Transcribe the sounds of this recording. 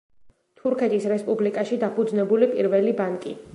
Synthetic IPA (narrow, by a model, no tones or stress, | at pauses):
t̪ʰuɾkʰɛt̪ʰisɾɛspʼublikʼaʃid̪apʰud̪znɛbulipʼiɾvɛlibankʼi